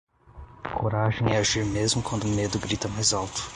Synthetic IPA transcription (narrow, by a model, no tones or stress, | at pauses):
kʰoɾaʒẽj̃ɛaʒiɾmezmʊkwɐ̃nd̪ʊːmed̪ʊɡɾit̪ɐmajzawt̪ʊ̥